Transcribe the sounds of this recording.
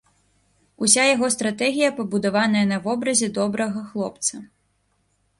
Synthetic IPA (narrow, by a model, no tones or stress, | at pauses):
usʲajaɣɔst̪ɾat̪ɛɣʲijɐpɐbud̪avan̪ɐjɐnɐvɔbɾɐzʲɛd̪ɔbɾɐɣɐxlˠɔp̚t̪sɐ